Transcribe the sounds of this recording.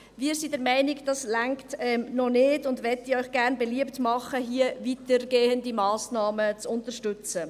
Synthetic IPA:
ʋiːɾsidɛɾmɛɪnɪkd̥ɑslaŋktɛmnɔnɪːdʊndʋɛtiœʏxɡ̥æɾnbɛliəptmɑχəɦiːəvitəɾɡeːəndimɑːsnɑːmət͡sʊntəɾʃtʏt͡sə

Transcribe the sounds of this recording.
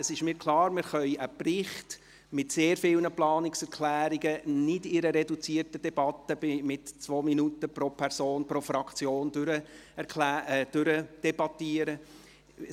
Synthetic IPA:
əsɪʃmɪːɾkʰlˠɑːɾmɪɾχœʏəprɪχt | mɪtseːɾfɪlnəplɑːnɪksɛɾkʰlæːɾiɡənɪdɪɾəɾɛdut͡siːərtəd̥ɛb̥ɑtːəbɪmɪtt͡sʋoːminutəpɾopʰɛɾsoːnpɾofɾɑkt͡sjoːndɾəɛlːd̥ʏɾəd̥ɛbɑtiːəɾə

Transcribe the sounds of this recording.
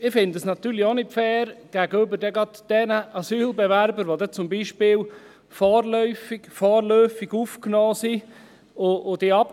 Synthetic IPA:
ɪfɪndəsnɑt̪yːɾlionɪtfɛːɾɡ̥æɡəʏbəɾdɛɡɾɑd̪̥d̥ɛnəʔɑsyːlbɛʋæɾbəɾʋodɛt͡sʊmbiʃpɪːl | fɔːɾlœʏfɪɡ̥fɔːɾlœːfiɡufknɔːsi | ood̥iɑp̚

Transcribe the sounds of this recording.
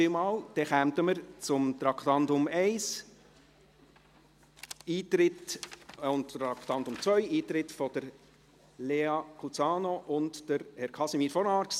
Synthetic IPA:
imɑːld̥ɛχæmt̪əməɾt͡sʊmt̪ɾɑkʰt̪ɑntʊmɛɪs | iːt̪ɾɪt | ʊntɾɑkt̪ɑntʊmt͡sʋœʏiːt̪ɾɪtfɔd̥əɾ | leːɑkʰut͡sɑːnoʔʊntd̥əɾhɛɾkʰɑsimiːɾfɔnɑːɾks

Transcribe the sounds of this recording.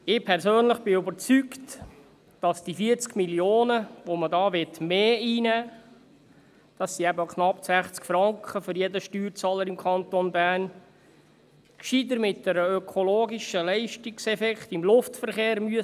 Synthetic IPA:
ɪpʰɛɾsøːnləχb̥ɪybəɾt͡sykt | d̥ɑsd̥ifiɾt͡skmiljoːnəʋomədɑːʋɪtmeːiːnæː | d̥ɑsːiæbəkχnɑpːsæχt͡skfɾɑŋkχəfʏɾjedəʃtyːɾt͡sɑːləɾimkʰχɑnt̪onbæːn | kʃidəɾmɪt̚d̥ɛɾəøkʰoloːɡiʃəlɛɪʃtiksɛfɛkχt̪ɪmlʊftfəɾχeːɾmyə

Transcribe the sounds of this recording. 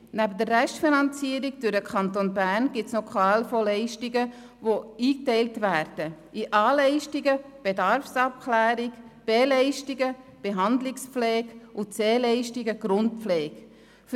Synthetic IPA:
næbədərːɛʃtfinɑnt͡siːəɾiɡd̥ʉɾəkʰɑntonbæːɾnɡ̥ɪtslokχɑːlfolɛɪʃtiɡə | voiːk̚tɛɪltvæːɾd̥əʔiʔɑːlɛɪʃtiɡə | b̥edɑɾfsɑp̚kʰlæːɾikb̥eːlɛɪʃtiɡə | b̥eɦɑndlɪkspflɛːɡʔʊt͡seːlɛɪʃtiɡəɡ̥ɾʊnt̚flɛːɡ | f

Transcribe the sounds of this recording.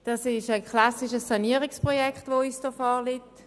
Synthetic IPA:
d̥ɑsɪʃəkχlɑsiʃəsːɑniəʁɪikspʁojɛkχtʋoisd̥əfɔːlɪt

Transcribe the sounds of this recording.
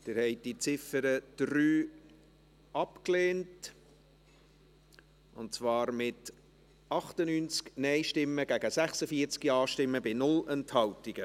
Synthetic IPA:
d̥ɪɾhɛɪdit͡sɪfəɾəd̥ɾyː | ɑpkleːnt | ʊntt͡svɑːɾmɪt | ɑχtənyːnt͡sknɛɪʃtɪmːəɡ̥æɡəsæχsəfiəɾt͡skiɑːʃtɪmːəbɪnʊlɛnthɑltiɡ̥ə

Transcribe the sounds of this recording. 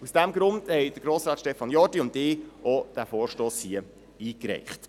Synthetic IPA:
usd̥æmɡɾʊnd̥hɛɪd̥əɾɡɾoːsɾɑːtʃtɛfɑnjɔdiʊntɪʔɔd̥æfoːɾʃtoːshiə | iːkɾɛ̰ɪχt

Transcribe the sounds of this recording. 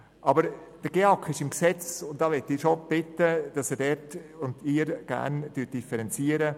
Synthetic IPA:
ʔɑbəɾ | d̥əɡ̥eɑkʰːɪʃɪmksɛt͡sʊntd̥ɑːʋɛtiʃob̥ɪtəd̥ɑsɛːdɛtʊndɪːɾɡ̥æ̰nd̥yːt̚d̥ifɛɾɛnt͡siːəɾə

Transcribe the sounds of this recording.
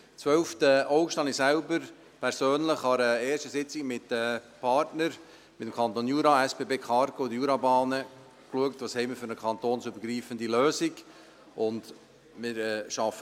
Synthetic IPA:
t͡sʋœlftəoʊkʃtɑnisælbəɾ | pʰɛɾsøːnləχɑɾəeːɾʃtəsɪt͡sɪkmɪtəpʰɑːɾtnəɾ | mɪt̪əmkʰɑnt̪oːnjuːɾɑɛspeːbeːkχɑɾɡodəjuːɾɑbɑːnə | kluəktvɑshɛɪmɪɾfʏɾəkʰɑnt̪oːnsʏbəɾɡɾiːfəndiløːsik | ʔʊnd | mɪɾɛʃɑfə

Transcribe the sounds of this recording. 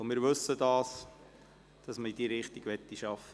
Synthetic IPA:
mɪːɾʋɵsədɑːs | d̥ɑsməid̥iːɾɪχt̪iɡʋɛt̪ːiʃɑfə

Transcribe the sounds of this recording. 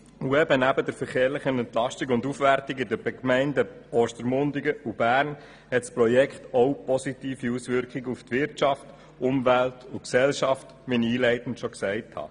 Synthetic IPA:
uɛbənæbədɛɾfəɾχeːɾlɪχənɛntlɑʃtiɡʊndufʋæɾtɪɡɪdəbɛkmɛɪndəɔːʃtəɾmʊndɪɡəʔub̥æːɾn | hɛtsprɔjɛkχt̪ɔwpɔsitiːfiusʋɪɾkχɪɡuftʋɪɾtʃɑft | ʊmvæltʊksɛlʃɑft | ʋiniiːlɛɪtn̩tʃɔksɛɪthɑ̰

